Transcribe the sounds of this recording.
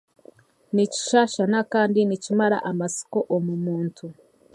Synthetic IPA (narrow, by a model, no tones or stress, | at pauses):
nici̥ʃaːʃanakaːndinicimaɾa̰ʔamasi̥koʔomumuːntʰu